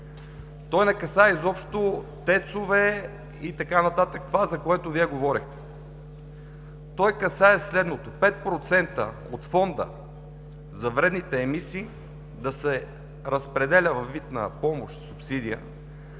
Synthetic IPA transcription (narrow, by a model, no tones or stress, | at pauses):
t̪ɔjnɛkɐsaɛizɔpʃt̪ot̪ɛt̪sovɛ | it̪ɐkanɐt̪at̪ək̚t̪ovazɐkoɛt̪ʊviɛɡovɔɾixt̪ɛ̥ | t̪ɔjkɐsaɛslɛd̪not̪opɛt̪̚pɾot̪sɛnt̪ə̰ | o̰t̪fɔnd̪ə̰ | zɐvɾɛd̪nit̪ɛːmisiː | d̪ɐsɛ | ɾəspɾɛd̪ɛlʲəvɐvːit̪nɐ̰pɔmoʃt̪supsid̪ijə